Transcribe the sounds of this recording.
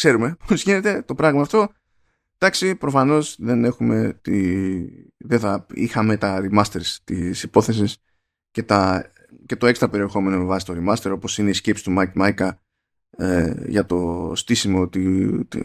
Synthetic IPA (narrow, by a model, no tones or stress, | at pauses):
kse̞ɾume̞pʰozʝine̞t̪e̞t̪o̞pɾɐɣmɐːft̪o̞ | d̪̥ɐksipɾo̞fɐno̞sðe̞ne̞xume̞t̪i | ðeθɐḭxɐme̞t̪ɐɾimɐst̪eɾst̪isipo̞θe̞s̬is | ce̞t̪ɐ | ce̞t̪o̞e̞kst̪ɾɐpe̞ɾie̞xo̞me̞no̞me̞vɐsi̥t̪o̞ɾimɐst̪e̞ɾopo̞sine̞iscepsi̥t̪umakmɐjkɐ | eʝɐt̪o̞st̪isimo̞t̪it̪